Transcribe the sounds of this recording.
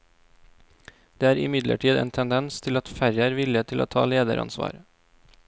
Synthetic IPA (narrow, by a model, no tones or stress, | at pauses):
d̪̥eːæːɾɪmɪd̪lə̰ʈʰiːd̪ḛːnt̪ʰɛnd̪ɛnst̪ʰɪlɑt̪fæɾjæːɾʋɪlɪət̪ʰɪloːt̪ʰɑ̰ːleːd̪ə̰ɾʔɑ̰nsʋɑ̰ːɾ